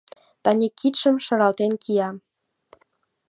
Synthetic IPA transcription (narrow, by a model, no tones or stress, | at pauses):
t̪ɑnʲikʰːit̪ʃə̆mʃɤ̆ɾɑlt̪enkʰijɑ